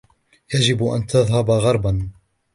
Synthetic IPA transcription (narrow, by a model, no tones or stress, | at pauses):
jad͡ʒɪbʔa̰nt̪aðˤɦabɣɑɾˤban